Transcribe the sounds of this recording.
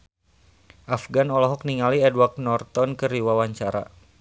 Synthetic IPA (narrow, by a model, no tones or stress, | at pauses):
ʔafɡanɔlɔɦɔk̚niŋaliɛdwak̚nɔrt̪ɔnkɨɾiwawaɲt͡ʃaɾa̰